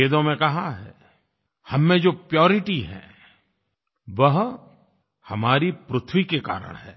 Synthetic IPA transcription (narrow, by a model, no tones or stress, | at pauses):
eːd̪õmẽkɐɦaɦɛ̰ː | hɐmːẽd͡ʒoːpjɔːɾɪʈiɦɛ̰̃ː | ʋɐɦ | hɐmaːɾipɾʊt̪ʰwikeka̰ːɾə̰ɽ̃ɦɛ̰ː